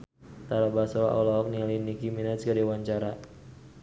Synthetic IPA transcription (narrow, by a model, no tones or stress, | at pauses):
t̪aɾabasɔla̰ʔɔlɔɔknialinikiminaskaɾiwaɲt͡ʃaɾa